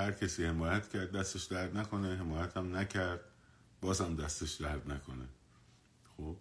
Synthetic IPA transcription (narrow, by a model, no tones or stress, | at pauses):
hæɾcʰesiːhemɒːjæt̪cʰæɾd̪̚ːæst̪eʃd̪æɾd̪næko̞neɦemɒːjæt̪ʰæmnæcʰæɾd̪̥̚ | bɒːzhæmd̪æst̪eʃd̪æɾd̪nækʰone | xob̥̚